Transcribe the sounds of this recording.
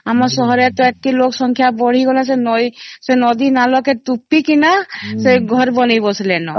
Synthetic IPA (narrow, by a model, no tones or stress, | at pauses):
amɔɾsɔɦɔɾet̪ɔekiloksɔŋkʰjabɔɽ̤iɡɔlasenɔjsenɔd̪inalɔket̪upːikinaseɡʱɔɾbɔnejbɔslenɔ